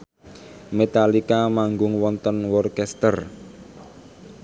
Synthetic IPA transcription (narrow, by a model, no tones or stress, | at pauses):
met̪alikamaŋɡʊŋwɔnt̪ɔnwɔrkɛst̪ər